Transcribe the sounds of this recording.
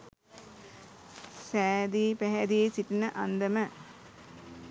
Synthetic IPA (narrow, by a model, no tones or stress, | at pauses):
sæːd̪iːpæɦæd̪iesiʈinəʔand̪əmə